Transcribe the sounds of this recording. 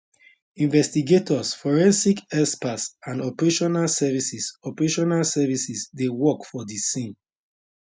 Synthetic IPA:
ĩnvɛstiɡetʰɔsfɔɹɛ̃nsikɛspasãndɔpɛɹeʃɔnalsɛvisisɔpɹeʃɔnalsɛvisisdewɔkfɔdisĩn

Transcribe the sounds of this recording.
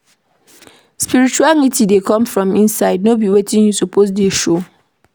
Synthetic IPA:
spiɹit͡ʃuaŋitidekʰɔ̃mfɹɔ̃mĩnsaɪdnobiwetĩŋjutʰupʰos̬deʃo

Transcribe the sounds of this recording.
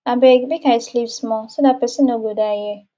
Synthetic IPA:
abebikaislivsmɔsidapɛsinoɡodaje

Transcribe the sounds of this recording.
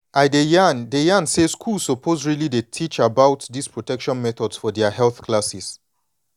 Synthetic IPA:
aɪdejandejãnseskʰulsopʰozɹilidetʰit͡ʃabaʊtdispʰɹɔtɛkʃɔ̃nmɛtɔdsfɔdɛahɛlθkʰlasis

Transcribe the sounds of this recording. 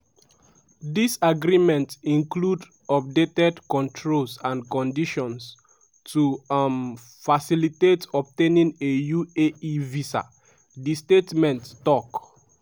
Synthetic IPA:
disaɡɹimɛ̃ntĩnklud | ɔp̚detɛdkɔ̃ntʰɹolsãnkɔ̃ndiʃɔ̃ns | tum | fasilitetɔp̚tẽnĩnejueivisa̰ | distetmɛ̃ntːɔk

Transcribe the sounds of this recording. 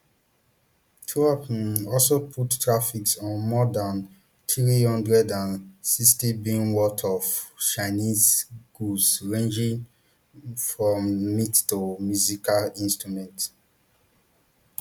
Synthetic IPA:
tʰuapɔlsopʰuttːɹafiksɔ̃nmɔdãn | t̪ɹihɔ̃ndɹɛdãnsistibĩnwɔtʰɔft͡ʃaɪnizɡ̥usɹẽnd͡ʒĩŋ | fɹɔ̃mːittumjuzikalĩnstɹumɛ̃nt

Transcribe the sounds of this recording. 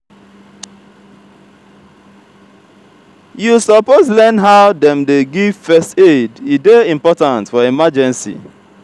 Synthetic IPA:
jusɔpozlɛnɦaʊdɛ̃mdeɡivfɛstedideĩmpɔtãntfɔimad͡ʒɛ̃nsḭ

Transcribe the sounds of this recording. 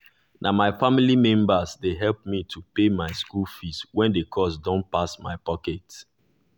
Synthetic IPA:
nʔamaɪfamilimɛ̃mbasdeɦɛlp̚mitʰupemaɪskulfistwɛ̃ndekʰɔsdɔ̃npasma̰ɪpɔkɛt

